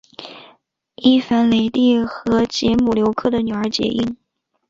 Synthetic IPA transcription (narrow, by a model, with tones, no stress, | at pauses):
i˥˩fa˧˥nle˧˩ɪt̪i˥˩xɤ˧˥t͡ɕɛ˧˥mu˨˩ljo˧˥ʊkʰɤ˥˩d̪ə˩ny˨˩ə˞˧˥t͡ɕjɛ̰˧˥ʔi˥˩n